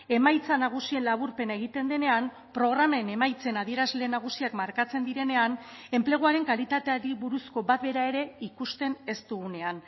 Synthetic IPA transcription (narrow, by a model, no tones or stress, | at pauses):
e̞majt͡sanaɣ̞usie̞nlaβuɾpe̞nae̞ɣ̞it̪e̞nd̪e̞ne̞am | pɾo̞ɣ̞ɾamaene̞majt͡se̞naðie̞ɾazle̞naɣ̞usiakmaɾkat͡se̞nd̪iɾe̞ne̞ane̞mple̞ɣ̞oaɾe̞ŋkalit̪at̪e̞aɾiβuɾusko̞bat̪̚be̞ɾae̞ɾe̞ikust̪e̞ne̞st̪uɣune̞an